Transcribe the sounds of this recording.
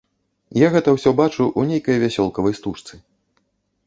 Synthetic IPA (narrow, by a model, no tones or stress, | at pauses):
jaɣɛt̪ɐwsʲɔbat͡ʂuʔunʲejkɐjvʲasʲɔlˠkɐvɐjst̪uʂt̪sɨ